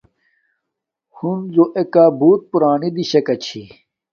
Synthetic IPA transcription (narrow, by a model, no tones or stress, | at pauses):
hunzoʔekaːbuːt̪̚puɾaːnid̪iɕɐkɐt͡ɕʰi